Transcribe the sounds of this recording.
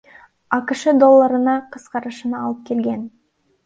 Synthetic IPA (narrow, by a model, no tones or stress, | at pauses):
ɑkʲəʃəd̪o̞lˠːɑɾənɑqʰəsqɑɾəʃənɑːlˠəp̚kʲʰe̞lɡʲe̞n